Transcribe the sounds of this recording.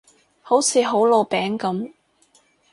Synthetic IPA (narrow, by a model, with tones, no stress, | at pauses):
ho˨˥wt͡sʰiː˨˧ɦo˨˥wlo˨˧wpɛː˨˥ŋkɐ˨˥m